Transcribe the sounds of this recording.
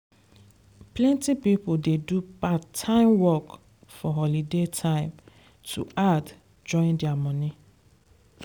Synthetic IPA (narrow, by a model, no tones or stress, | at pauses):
plɛ̃ntipipʊldedupatʰãɪ̃mwɔk | fɔɦɔlidetʰãɪ̃m | tʰṵʔad | d͡ʒɔ̃ɪ̃ndɪamɔni